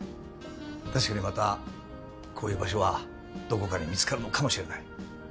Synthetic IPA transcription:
t̪aɕ̬i̥kaɲ̟imat̪a | kʰo̞ːjɯ̟ːbaɕ̬o̞βa | d̪̥o̞ko̞kaɲ̟imʲit͡sɨ̥kaɾɯ̟no̞kamo̞ɕiɾe̞nai

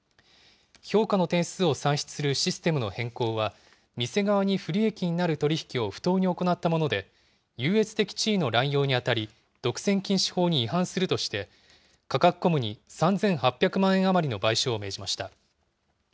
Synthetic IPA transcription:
ço̞ːkano̞t̪ẽ̞ɰ̃ɕt͡sɨo̞sãɰ̃ɕi̥t͡sɨ̥sɨɾɯ̟ɕisɨ̥t̪e̞mɯ̟no̞hẽ̞ŋko̞ːβa | mʲise̞ɡaβaɲ̟iɸɯ̟ɾʲie̞kʲiɲ̟inaɾɯ̟t̪o̞ɾʲiçi̥kʲio̞ɸɯ̥t̪o̞ːɲ̟io̞ko̞nat̪ːamo̞no̞d̪e̞ | jɯ̟ːe̞t͡sɨ̥t̪e̞kʲi̥t͡ɕiːno̞ɾãɰ̃jo̞ːɲ̟iat̪aɾʲi | d̪̥o̞kɯ̟̥sẽ̞ŋkʲĩɰ̃ɕi̥ho̞ːɲ̟iːɦãɰ̃sɨɾɯ̟t̪o̞ɕi̥t̪e̞ | kakakɯ̥kːo̞mɯ̟ɲ̟isãnd͡zẽ̞ɰ̃hapʲːjakɯ̟mãɰ̃ẽ̞ɰ̃amaɾʲino̞baiɕo̞ːme̞ːʑimaɕi̥t̪a

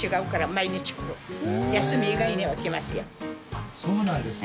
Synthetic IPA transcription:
iɡaɯ̟kaɾamaiɲʲit͡ɕi̥kɯ̥ojasɨmʲiːɡainʲeβakemasɨja̰ | soːnãnd̪es

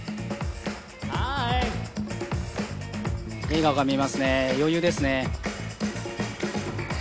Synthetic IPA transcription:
ha | e̞ːɡaoɡamʲimasɨne̞jo̞jɯ̟ːd̪e̞sɨne̞

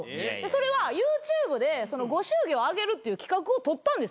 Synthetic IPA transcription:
d̪eso̞ɾe̞βajɯːt͡ɕɨːbɯ̟d̪e̞so̞no̞ɡo̞ɕɨːɡʲo̞ːaɡe̞ɾɯ̟t̪ːe̞jɯ̟kʲi̥kakɯ̟o̞t̪o̞t̪ːãnd̪e̞s

